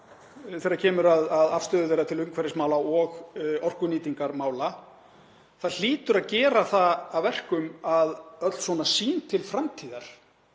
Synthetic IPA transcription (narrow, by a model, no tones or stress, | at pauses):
θejɾacʰɛːmʏɾaðaðafst̪œːðʏejɾat̪ʰɪlʏmkʰvɛɾɪsmaːwlaɔɣɔr̥kʏniːt̪iŋkaɾmaːwla | θaðl̥iːt̪ʏɾaðcɛːɾaθaːvvɛr̥kʏmaðœt̪l̥svɔnasiːnt̪ʰɪlfɾamt̪ʰiːðaɾ̥